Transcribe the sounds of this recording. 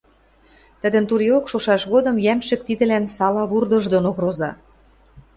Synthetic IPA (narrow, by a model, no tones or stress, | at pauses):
t̪ə̆d̪ə̆nt̪uɾiokʃoʃɑʃɣod̪ɤ̆mjæmʃɘ̆k̚t̪id̪ɘ̆lænsɑlɑβurd̪ɤ̆ʒd̪onoɣɾozɑ̰